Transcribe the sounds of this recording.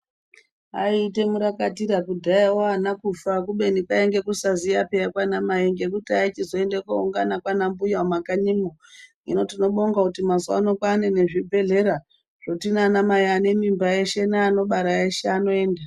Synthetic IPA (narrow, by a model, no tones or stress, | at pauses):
a̰ite̞muɾakatiɾakudʱaiwoanakufak̬uɓe̞nikaeŋɡe̞kusazijapejakwanamaiŋɡe̞k̬utait͡ʃizo̞e̞ndekuuŋɡanakwanambujamakaɲimoŋḭno̞tino̞ɓoŋɡakutimazoa̰no̞kanene̞ʐibʱe̞ɮe̞ɾa | ʐ̥o̞tinanamajiane̞mimbaeʃe̞naano̞ɓaɾaeʃeano̞e̞ːnda